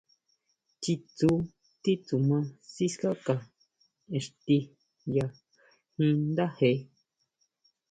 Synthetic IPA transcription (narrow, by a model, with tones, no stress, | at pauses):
t͡ʃi˧t͡su˧˦ | t̪i˦t͡su˨mã˧si˦ska˦ka˧˨ | e˨ʂt̪i˧ | ja˧ | hĩ˧nd̪a˦he˨˧